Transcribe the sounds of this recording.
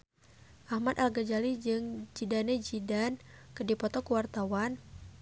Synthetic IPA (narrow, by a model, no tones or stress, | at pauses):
ʔahmat̪alɡad͡ʒalid͡ʒɨŋd͡ʒidanɛd͡ʒidankədipɔt̪ɔkuwart̪awan